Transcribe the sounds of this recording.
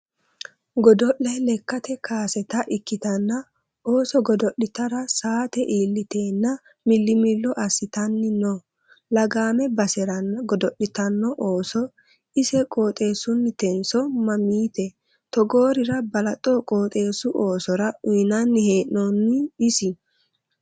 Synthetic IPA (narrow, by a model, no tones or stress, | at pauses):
ɡɔd̪ɔʔːɐjlɛkːɐt̪ɛkaːsɛt̪ɐʔɪkːɪt̪ɐnːɐ | oːsɔɡɔd̪ɔɗɪt̪ɐɾɐsaːt̪ɛʔiːlːɪt̪eːnːɐ | mɪlːɪmɪlːɔʔɐsɪt̪ɐnːɪno | lɐɡaːmɛbɐsɛɾɐnːɐɡɔd̪ɔɗɪt̪ɐnːɔʔoːsɔ | ɪsɛkʼo̞ːt̪ʼe̞ːsʊnːɪt̪ɛnsɔmɐmiːt̪ɛ | t̪ɔɡo̞ːɾɪɾɐbɐlɐt̪ʼɔkʼoːt̪ʼe̞ːsʊʔoːsɔɾɐʊnɐnːɪheːʔnɔnːɪɪsɪ